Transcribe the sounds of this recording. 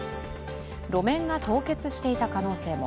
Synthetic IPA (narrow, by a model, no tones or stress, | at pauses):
ɾo̞mẽ̞ŋɡat̪o̞ːke̞t͡sɨɕi̥t̪e̞it̪akano̞ːse̞ːmo̞̰